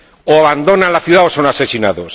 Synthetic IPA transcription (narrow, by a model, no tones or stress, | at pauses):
oaβand̪onalaθjuðaoso̞nase̞sinaðos